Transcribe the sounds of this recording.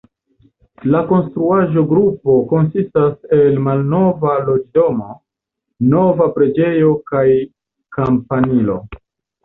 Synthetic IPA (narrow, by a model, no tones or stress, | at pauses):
lako̞nstɾuaʒo̞ɡɾupo̞ko̞nsistase̞lmalno̞valo̞d͡ʒdo̞mo̞ | no̞vapɾe̞d͡ʒe̞jo̞kaj | kampanilo̞̰